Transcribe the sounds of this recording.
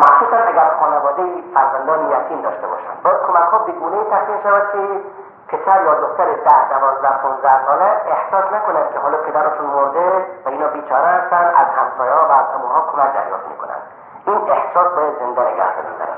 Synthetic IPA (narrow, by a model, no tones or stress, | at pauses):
mæxsuːsææɡʲæɾxɒːnevɒːd̪ejifæɾzænd̪ɒːnejækʰiːnd̪ɒːʃt̪ebɒ̰ːʃæ̰nd̪bkʰomækhɒːbeɡuːneiːt̪ʰæsmiːmʃævæd̪̥̚kʲʰe | pʰesæɾjɒːd̪oxt̪æɾed̪æhd̪ævɒːzd̪æhpʰonzd̪æhsɒːleeht̪ɒːsnækonæn̥̚kʲʰeɦɔːlɔpʰed̪æɾɒːʃunmoɾd̪evæiːnɒːbiːt͡ʃʰɒːɾehæst̪ænd̪æ̰zhæmsɔːjehɔːvæːzhæmuɦɒːkʰomæk̚d̪æ̰ɾjɒ̰ːft̪mḭkʰo̰næ̰nd̪̥ | inehsɒːsbɒːjæd̪zend̪æneɡæ̰hd̪o̰ɾḭbzæ̰ɾæ̰